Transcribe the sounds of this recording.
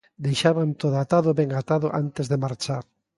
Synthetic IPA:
d̪ejʃaβant̪oðoat̪aðʊβɛŋat̪aðʊʔant̪ezðemaɾt͡ʃaɾ

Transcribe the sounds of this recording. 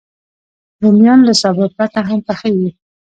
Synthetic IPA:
d̪əmjɑnlasabəɾ̚plat̪aɦampaxəwi

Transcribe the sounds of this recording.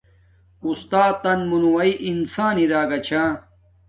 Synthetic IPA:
ust̪aːt̪ːɐnmunuwɐiʔinsaːniɾaːɡɐt͡ɕʰaː

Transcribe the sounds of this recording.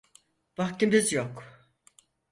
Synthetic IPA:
vaxcimbizjok

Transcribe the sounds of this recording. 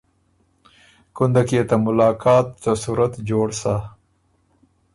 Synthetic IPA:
kʊnd̪akiet̪amʊlɑːkɑːt̪ːasuɾat̪d͡ʒoːɽsa

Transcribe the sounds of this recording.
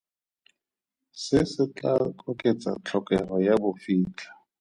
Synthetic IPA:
sɪsɪt͡ɬakʼɔkʼet͡sʼa̰t͡ɬʰɔkʼɛrɔjabʊfiːt͡ɬʰḁ

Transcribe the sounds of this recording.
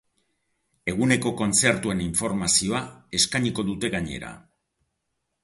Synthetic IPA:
e̞ɣ̞une̞ko̞ko̞nt͡se̞ɾt̪ue̞niɱfo̞ɾmasio̞ae̞skaɲiko̞ðut̪e̞ɣaɲe̞̰ɾa̰

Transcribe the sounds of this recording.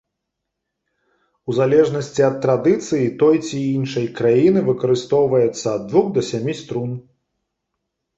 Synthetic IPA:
uzalʲɛʐnɐsʲt͡sʲiɐt̪ːɾad̪ɨt̪sɨjit̪ɔjt͡sʲiinʂɐjkɾajinɨvɨkɐɾɨst̪ɔwvɐjɛt̪sːɐːd̪ːvuɣd̪ɐsʲamʲist̪ɾun

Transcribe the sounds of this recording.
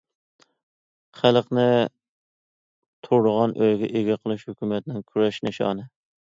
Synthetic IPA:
χælˠəqnɪ | t̪ʰuɾd̪ʊʁɑnʔøjɡʲɛʔeɡʲɛqʰəlˠɨʃhøkʲymɛt̪nɪŋkʲʰyɾɛʃnɪʃɑ̰ːnɨ

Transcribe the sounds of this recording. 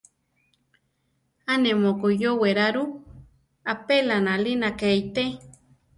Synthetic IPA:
anemokojoweɾaɾu | apelanalinakejt̪e

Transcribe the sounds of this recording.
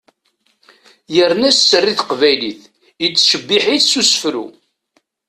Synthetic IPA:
jəɾnæssːərːiθqvæjliθ | ət͡sːʃəbːiħiθsusəfɾṵ

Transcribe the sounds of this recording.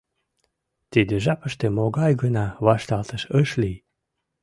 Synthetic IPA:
t̪id̪eʒɑpəʃt̪emoɡɑjɡənɑβɑʃt̪ɑlt̪əʃəʃlʲij

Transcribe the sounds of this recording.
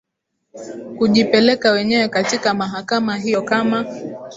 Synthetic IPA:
kuʄipɛlɛkawɛɲɛwɛkatikamaɦakamaɦijɔkama

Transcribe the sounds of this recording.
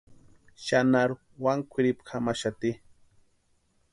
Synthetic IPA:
ʃanaɾ | waŋkʷʰɪɾɪpkʰamaʃat̪i

